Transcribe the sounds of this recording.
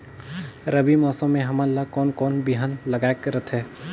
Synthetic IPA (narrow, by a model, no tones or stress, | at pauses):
ɾəbimɔːsə̃mːẽɦɐmalakɔːnkɔːnbiɦanləɡaːekɾət̪ʰɦɛː